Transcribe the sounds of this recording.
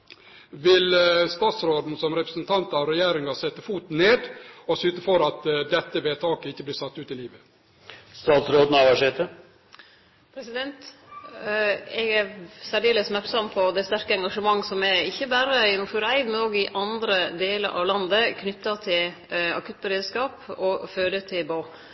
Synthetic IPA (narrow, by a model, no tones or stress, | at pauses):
ʋɪlst̪ɑːt̪sɾoːd̪n̩sɔmɾɛpɾəsnt̪ʰɑnt̪ɑʋɾɛjeːɾɪŋɑsɛt̪ːəfuːt̪n̩nːeːd̪ɔsʉːt̪əfɔɾɑt̪d̪ɛt̪ːəʋeːt̪ʰɑːkəɪçːəbliːsɑt̪ːʉːt̪ɪliːʋə | st̪ɑːt̪sɾoːd̪n̩ɑʋɑʂeːt̪ə | pʰɾɛsɪd̪ɛnt̪ | ɛɡæɾsæɖ̪eːləsmæɾʈsɑmpʰɔd̪ɛst̪æɾkəɛŋɡɑʂəmɑŋːsɔmɛɪçːəbæɾəɪnuːfʉɾæɪd̪mɛnoːɡɪʔɑnd̪ɾəd̪eːləɾʔɑ̰ʋlɑnd̪əkʰnʏt̪ːɑt̪ʰɪlɑ̰kʉːt̪̚bəɾeːd̪skɑːpɔføːɾət̪ʰɪbo